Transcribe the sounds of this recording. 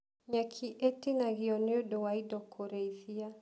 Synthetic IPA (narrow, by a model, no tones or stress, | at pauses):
ɲakʰiʔɛtinaɣiɔnudɔwaidɔkʰɔɾɛiθia